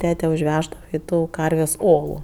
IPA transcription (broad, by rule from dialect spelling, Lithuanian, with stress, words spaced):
ˈtʲæːtʲɛ ʊʒʲˈʋʲæːʒdɐʋɐ ɪ ˈtuː ˈkɐrʲʋʲeːsʲ ˈoːlˠʊ